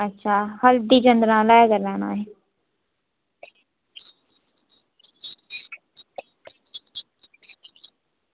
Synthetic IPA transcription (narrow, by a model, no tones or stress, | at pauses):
ətːʃʰaːhəld̪iːd͡ʒənd̪ɾãːlaːjkəɾlaːnã̰ːɦɛ